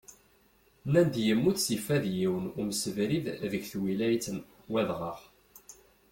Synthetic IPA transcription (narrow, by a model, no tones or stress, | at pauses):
nænd̪jəmːuθsifæðjiwənʊmsəvɾiððəɡθwilæjt͡sən | wæðʁɑʁ